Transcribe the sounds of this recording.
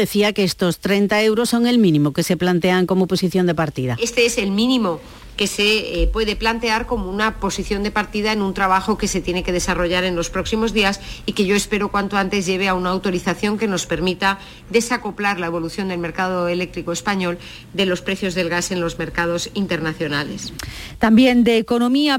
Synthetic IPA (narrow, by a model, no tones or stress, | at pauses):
eθiakeest̪o̞st̪ɾent̪ae̞wɾosːo̞ŋe̞lmĩnĩmokese̞plant̪eaŋko̞mo̞po̞siθjo̞nd̪epaɾt̪iðaest̪eese̞lmĩnĩmo̞ | ke̞se̞pwe̞ð̞e̞plant̪e̞aɾko̞mounapo̞siθjo̞nd̪epaɾt̪iðaenũnt̪ɾaβaxo̞ke̞se̞t̪je̞ne̞ke̞ðe̞saro̞ʝaɾe̞nlo̞spɾo̞ksimo̞zðiasike̞ʝo̞e̞spe̞ɾo̞kwant̪oant̪e̞zʝe̞β̞e̞aunaːwt̪o̞ɾiθaθjo̞ŋke̞no̞spe̞ɾmit̪a | ðe̞sako̞plaɾlae̞β̞o̞luθjo̞nd̪e̞lme̞ɾkað̞o̞e̞le̞k̚t̪ɾiko̞e̞spaɲo̞l | d̪e̞lo̞spɾe̞θjo̞zðe̞lɣase̞nlo̞zme̞ɾkað̞o̞sint̪e̞ɾnaθjo̞nale̞st̪ambje̞nd̪eːko̞nomia